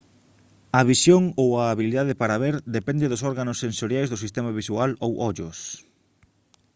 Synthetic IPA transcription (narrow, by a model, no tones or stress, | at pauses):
ɐβisjoŋowaːβiliðaðepaɾaβeɾd̪epɛnd̪eðʊsɔɾɣanʊsːensoɾjajzðʊsist̪emaβ̞isualowʔɔʎʊs